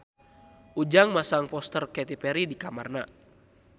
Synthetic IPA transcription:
ud͡ʒaŋmasaŋpɔst̪ərkɛt̪ipɛɾidikamarna

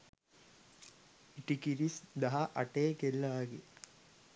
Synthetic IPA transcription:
iʈikiɾisd̪aɦaʔaʈeːkelːaːɡe

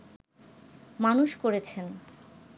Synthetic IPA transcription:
manuʃkoɾet͡ɕʰen

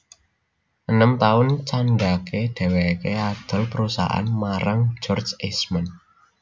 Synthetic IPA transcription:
ʔənəmt̪aʊnt͡ʃandakeɖ̪̥e̤wekead̪̥ə̤lpəɾusa̰ʔa̰nmaɾaŋd͡ʒɔrdd͡ʒesman

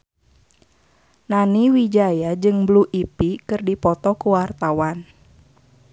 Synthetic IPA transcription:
naniwid͡ʒajad͡ʒɨŋbluʔipikɨrdipɔt̪ɔkuwart̪awan

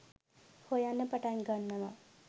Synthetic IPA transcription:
hojanːəpaʈaŋɡanːəʋa

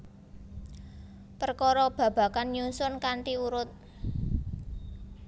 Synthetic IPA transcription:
pərkɔɾɔb̥ä̤b̥ä̤kanjunsʊnkaɳʈiuɾʊt̪̚

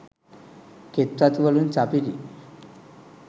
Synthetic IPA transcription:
kʰet̪ːat̪ʋəluːnt͡sapilḭ

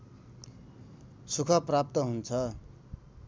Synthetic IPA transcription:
sukʰʌprap̚t̪ʌɦunt͡sʰʌ

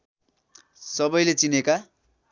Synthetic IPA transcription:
sʌbʌjlet͡sineka

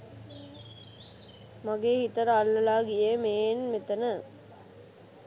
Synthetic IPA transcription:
maɡeːhit̪əɾəalːəlaːɡiemeːnmet̪ənə

